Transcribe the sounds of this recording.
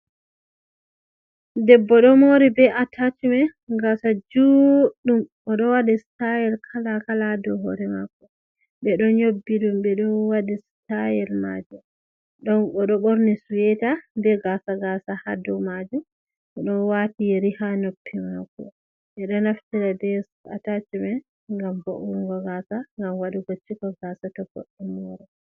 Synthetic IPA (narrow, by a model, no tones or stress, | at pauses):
dɛbːɔɗɔmoɾibɛʔatʰat͡ʃumɛɡasad͡ʒuɗumʔɔɗɔwadistajɛlkʰalakaladɔɦɔɾɛma̰kːɔ | ɓɛɗɔɲobːiɗumbɛɗɔwadistajɛlma̰d͡ʒu | ɗɔɔɗɔɓoɾnisuwɛtadɛɡasaɡasahadɔmad͡ʒum | ɔɗɔnwatiɾihanopʰːimakːɔ̰ | ʔɛɗɔnaftiɾadɛsa̰tat͡ʃimɛ | ŋɡamboʔuɾŋɡɔɡasaŋɡamwaɗiɡot͡ʃːikɔɡasatɔfo̰ɗːɛmɔɾɛ